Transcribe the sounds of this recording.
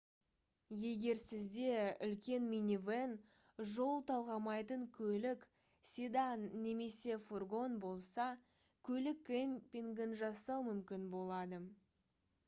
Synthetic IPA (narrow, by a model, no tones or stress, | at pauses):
je̞ɡʲe̞ɾsɪzd̪e̞ʏlkʲe̞nminʲiven | ʒo̞lˠt̪ʰɑlˠʁɑmɑjt̪əŋkʲʰɵlɪk | sʲid̪ɑnːe̞me̞se̞furɡo̞nbo̞lˠsɑ | kʲʰɵlɪkːempʲiŋɡʲɪnʒɑsɑwmʏmkʲɪnbo̞lˠɑd̪ə